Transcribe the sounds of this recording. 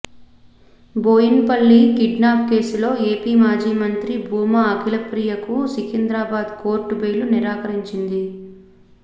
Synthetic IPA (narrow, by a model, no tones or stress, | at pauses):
boːjinpɐlːikiɖnaːp̚ke̞ːsulo̞ːe̞ːpiːmaːd͡ʒiːmɐnt̪ɾibʱuːmɐːkʰilɐpɾijɐkusikind̪ɾaːbaːd̪koːɾʈːubeːluniɾaːkɐɾiɲt͡ʃind̪i